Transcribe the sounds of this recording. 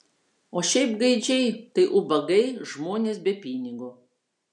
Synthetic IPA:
oːʃʲɛɪpɡɐɪd͡ʒʲɛɪt̪ɐɪʔʊbɐɡɐɪʒmoːnʲeːsbʲɛpʲiːnʲɪɡuː

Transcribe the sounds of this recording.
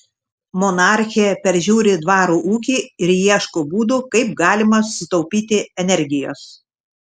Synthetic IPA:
mɔnɑˑɾʲxʲiɛpʲɛɾʲʒʲuːɾʲɪd̪ʋɑːɾuːʔuːk̬ʲiːɪɾjiɛʃkoːbuːd̪uːkɐɪp̚ɡɑːlʲɪmɐsʊ̥sʲɪt̪ɔʊpʲiːt̪ʲɪɛnʲɛɾʲɡʲɪjo̰ːs

